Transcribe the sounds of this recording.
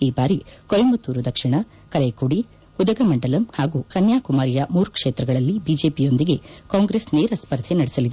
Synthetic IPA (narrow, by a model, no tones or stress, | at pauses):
iːbaːɾikɔjɐmbɐt̪ːuːɾud̪ɐkʂiɳɐ | kɐlekuɽi | ud̪ɐɡɐmɐɳɖɐlɐmhaːɡukɐnjaːkumaːɾijɐmuːɾkʂeːt̪ɾɐɡɐɭɐlːibiːd͡ʒe̞ːpijo̞nd̪iɡe̞kaːŋɡɾesneːɾɐspɐɾd̪ʱenɐɽesɐlid̪